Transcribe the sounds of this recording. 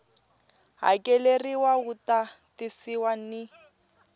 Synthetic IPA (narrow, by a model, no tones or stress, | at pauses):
ɦa̰kʼeleriwauta | tɪsiwanɪ